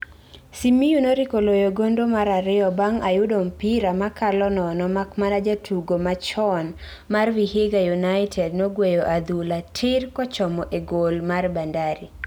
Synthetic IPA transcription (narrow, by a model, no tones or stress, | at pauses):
simijunoɾikolojoɡondomaɾaɾɪɔbaŋajʊdompiɾamakʰalɔnɔnɔmakmanad͡ʒatʰuɡomat͡ʃɔn | marwiheɡajunaɪtʰɛdnoɡwejoʔad̪ulatʰɪrkɔt͡ʃɔmɔʔeɡolmarbandaɾi